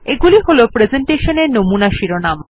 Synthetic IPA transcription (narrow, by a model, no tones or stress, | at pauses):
eɡuliɦolopɾezeɳʈeʃoneɾnomunaʃiɾonam